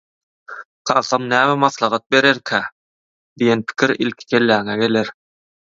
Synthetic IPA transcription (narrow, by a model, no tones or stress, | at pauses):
qʰɑːθɑmnæːmæmɑθlˠɑʁɑt̪̚be̞ɾeɾkʰæː | d̪ijenpʰi̥kʰʲiɾḭlkʲʰi̥kʰelːæːŋæɡe̞leɾ